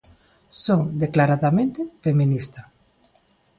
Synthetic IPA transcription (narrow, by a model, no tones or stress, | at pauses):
soŋd̪eklaɾaðamẽnt̪ɪfemĩnist̪a